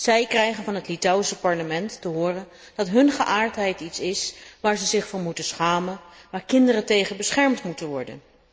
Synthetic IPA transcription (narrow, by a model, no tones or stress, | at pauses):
z̥ɛjkrɛjχənvɑnɦətlitawisəpɑɹləmɛntːəɦʊːrən | d̥ɑtɦɵnχəʔaːɹtɦɛjtitsɪsʋaːɹzəzɪχfʊɹmutəsχaːmənʋaːɹkɪndərətejχəbəsχɛɹmtmutənʋɔɹdə̰n